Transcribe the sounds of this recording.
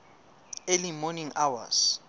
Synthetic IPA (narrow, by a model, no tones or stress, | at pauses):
elimɔniŋawa̰s